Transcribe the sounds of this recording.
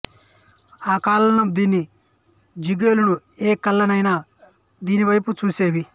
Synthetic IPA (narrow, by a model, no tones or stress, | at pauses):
aːkaːlɐnɐmd̪iːnːi | d͡ʒiɡe̞ːlunu | eːkɐlːɐnɐjnaː | d̪iːniʋɐjput͡ʃuːseːʋi